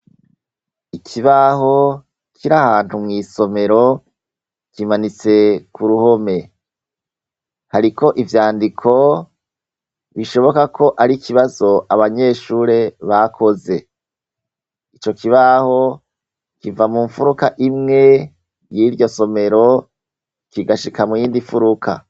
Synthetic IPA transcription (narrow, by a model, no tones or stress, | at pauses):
ikʰiβaɦo̞ | kʰiɾahaːn̥humŋiːso̞me̞ɾo̞ | kimanit͡se̞kuɾuho̞me̞ | haɾiko̞ʔivjaːndikʰo̞ | βiʃo̞βo̞kakʰo̞ʔaɾikʰiβazo̞ʔaβaɲe̞ːʃuːɾe̞βakʰo̞ze̞ | it͡ʃo̞kʰiβaho̞ | kivamuːɱfuɾukaʔimŋe̞ | jiːɾɟo̞so̞me̞ɾo̞ | kiɡaʃikamujiːndiɱfuɾukʰa̰